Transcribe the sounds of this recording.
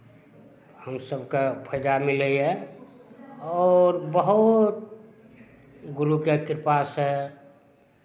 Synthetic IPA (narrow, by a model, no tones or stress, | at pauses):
həmsəbkepʰəd͡ʒamiləɛ | ɔːɾbəɦut̪̚ | ɡuɾukekɾɪpasɦɛ